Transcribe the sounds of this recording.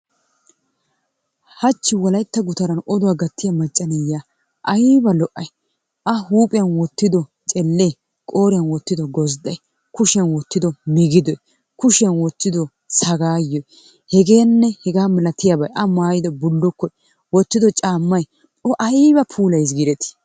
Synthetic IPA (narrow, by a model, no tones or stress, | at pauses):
hɐt͡ʃːɪwɔlɐjt̪ːɐɡʊt̪ɐɾɐnɔd̪ʊwaːɡɐt̪ːɪjɐmɐt͡ʃʼːɐnɛjːaː | ʔɐjbɐlɔʔɐj | ʔɐhuːpʼɪjɐnwɔt̪ːɪd̪ɔ | t͡ʃʼɛlːej | kʼo̞ːɾɪjɐnwɔt̪ːɪd̪ɔɡɔzd̪ɐj | kʊʃɐnwɔt̪ːɪd̪ɔmɪɡɪd̪ɔj | kʊʃɐnwɔt̪ːɪd̪ɔ | sɐɡaːjɔj | hɛɡe̞ːnːɛhɛɡaːmɪlɐt̪ɪjabɐjʔɐmaːjɪd̪ɔbʊlːɔkːɔj | wɔt̪ːɪd̪ɔt͡ʃʼaːmːɐj | ɔʔɐjbɐpʰuːlɐjs̬ɡɪɾɛt̪ɪ̥